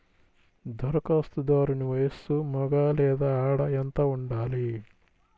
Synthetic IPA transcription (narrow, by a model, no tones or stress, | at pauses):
d̪ʱɔɾɐkaːst̪ud̪aːɾuniʋɐjɐsumɔɡaːlɛːd̪aːaːɽɐent̪ɐuɳɖaːli